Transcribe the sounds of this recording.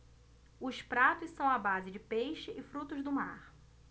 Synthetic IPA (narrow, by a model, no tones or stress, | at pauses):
ʊspɾat̪ʊssɐ̃w̃abazɪd͡ʒɪpejʃɪʔɪfɾut̪ʊzd̪ʊma̰ɾ